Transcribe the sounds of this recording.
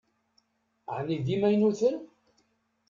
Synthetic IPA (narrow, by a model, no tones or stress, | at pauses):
ʕnid̪imæjnuθən